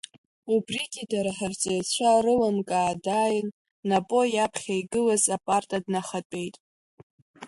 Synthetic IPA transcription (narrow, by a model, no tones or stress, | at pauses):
ubriɡʲidaɾaħart͡sʼejt͡ɕʷʰarɨlamkʼaːdajnː | apʼo̞japʰχʲajɡɨlazapʼartʼadnaχatʼe̞jtʼ